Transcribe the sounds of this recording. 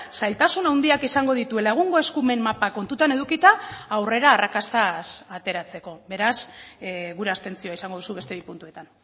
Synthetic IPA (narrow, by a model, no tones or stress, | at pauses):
sajlt̪asunawnd̪iakisaŋɡo̞ðit̪uelaɣ̞uŋɡo̞e̞skume̞mːapako̞nt̪ut̪ane̞ðukit̪aːwre̞ɾaːrakast̪asat̪e̞ɾat͡se̞ko̞be̞ɾas | ɣuɾe̞ast̪e̞nt͡sio̞aisaŋɡo̞ð̞usuβe̞st̪e̞β̞ipunt̪ue̞t̪an